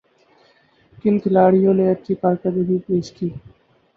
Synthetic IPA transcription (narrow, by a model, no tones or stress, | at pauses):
kɪnkʰɪlaːɽɪjõːnẽːət͡ʃiːpəɾkəd̪iɡiːpeːʃkiː